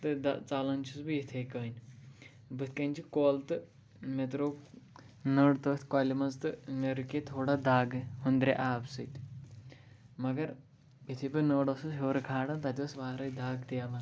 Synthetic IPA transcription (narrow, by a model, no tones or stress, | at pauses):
t̪ɨd̪ɐt͡salɐnt͡ʃʰisbɨjit̪ʰekəːnʲ | bɨt̪ʰkɐnʲt͡ʃʰikoːlt̪ɨ | met̪ɾoː | nəːɽt̪əːt̪ʰʲkaːlʲimɐnzt̪ɨmeɾɨket̪ʰoːɽad̪aːɡɦund̪ɾḛʔaːbsɨt̪ʲ | mɐɡɐɾ | jit̪ʰebinəːɽɐsɨsɦeːɾkʰaːɽɐnt̪ɐt̪ʲɐsʋaːɾɐjd̪aːɡt̪ijamɐ